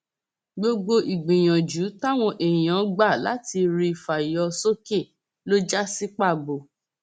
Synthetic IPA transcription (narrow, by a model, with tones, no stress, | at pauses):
ɡ͡bo˧ɡ͡bo˧ʔi˨ɡ͡bĩ˨j̃ã˨d͡ʒu˨˦ta˦w̃ɔ̃˧ʔe˨j̃ã˨˦ɡ͡ba˦˨la̰˨˦ti˧ɾi˧˨fa˨jɔ˧˦so˦ke˦˨ | lo˦d͡ʒa˦si˦k͡pa˦˨bo˨